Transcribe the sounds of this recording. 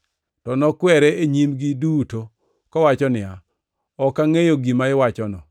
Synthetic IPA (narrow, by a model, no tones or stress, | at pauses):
tɔnɔkwɛɾɛeɲimɡiduto | kɔwat͡ʃɔnɪa | ɔkaŋejoɡimaɪwat͡ʃɔnɔ